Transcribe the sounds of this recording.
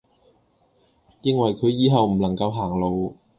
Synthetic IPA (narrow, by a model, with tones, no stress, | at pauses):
jɪ˧ŋwɐ˨˩jkʰɵ˨˧ɥjiː˨˧˥ɦɐ˨wm̩˨˩lɐ˨˩ŋkɐ˧wɦaː˨˩ŋlo˨˧w